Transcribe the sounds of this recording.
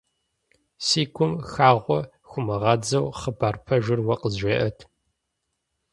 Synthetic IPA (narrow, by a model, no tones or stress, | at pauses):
siːkʷʰʊmxaːʁʷɔ | xʷʊmɐʁɐd͡zɐwχəbaːrpʰɐʒɪrwɐqəzʷeːʔɐtʰ